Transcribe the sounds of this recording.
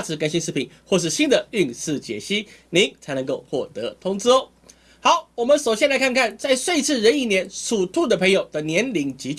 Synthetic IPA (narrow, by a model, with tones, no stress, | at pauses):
t͡sʰɹ̩˧˥ka˥nɕi˥nʂɻ̩˥˩pʰi˨˩˦ŋxwɔ˥˧ʂ̬ɻ̩˥˩ɕi˥nd̪ə˨y˥˧ŋʂɹ̩˥˩t͡ɕjɛ̰˨˩ɕi˥ni˨˥˦ŋt͡sʰa˧˥ɪnɤ˧˦ŋko˥˧ʊxwɔ˥˩t̪ɤ˧˦t̪ʰʊ˥ŋt͡s̩˥˧ | xɑ˨˧˦ʊwɔ˨˩mə˦nʂo˨˩ʊɕjɛ˥nla˧˥ɪkʰa˥˧nkʰa˥˩nt͡sa˥˧ɪʂwe˥˧ɪt͡sʰɹ̩˥˩ɻə˧˥ni˥˩njɛ˧˥nʂu˨˩t̪ʰu˥˩d̪ə˩pʰə˧˥ŋjo˨˩ʊd̪ə˦njɛ˧˥nli˧˥ŋt͡ɕi˧˥t͡ɕ